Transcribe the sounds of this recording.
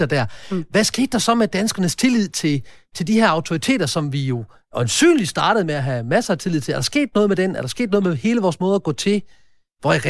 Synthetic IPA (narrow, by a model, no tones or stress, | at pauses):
ɐd̥æɐ̰ʋæsɡ̥e̝̰ːd̥ːɑ̈sɒ̽med̥ænsɡ̥ɐnəst͡sʰe̝lið̞̰ˠt͡sʰe̝lt͡sʰe̝ldiheɐɑ̈ʊt͡sʰo̝it͡sʰe̝̰ːd̥ɐsɒ̽mʋijo̝ | ʔɒnsy̰ːnlisd̥ɑ̈ːɾ̥əð̞̩ˠmeæɦæmæsɐːt͡sʰe̝lið̰ˠt͡sʰe̝æɐ̥ɑ̈sɡ̥e̝̰ːd̥̚nɔ̽ːð̞ˠmed̥enæɐɾɑ̈sɡ̥e̝̰ːd̥nɔ̽ːðˠmehe̝ːləʋɒːsmɔ̽ːð̞ˠɐɡ̥ɔ̰̽ːt͡sʰe̝ | ʋɒiʁ